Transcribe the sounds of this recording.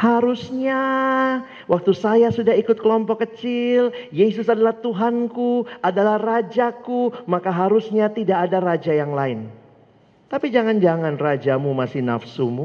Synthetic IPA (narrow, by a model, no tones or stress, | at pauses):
haɾusɲa | wʔak̚t̪usajasudahikʊt̪̚kəlɔmpɔkːət͡ʃɪljes̬ʊsadalaht̪uɦankuadalahrad͡ʒakumakaɦaɾusɲat̪idaʔːdarad͡ʒajaŋlaɪn | t̪apid͡ʒaŋand͡ʒaŋanrad͡ʒamumasɪna̰fsumu